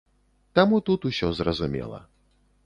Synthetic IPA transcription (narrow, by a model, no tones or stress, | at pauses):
t̪amut̪ut̪usʲɔzrɐzumʲɛ̰lˠɐ̰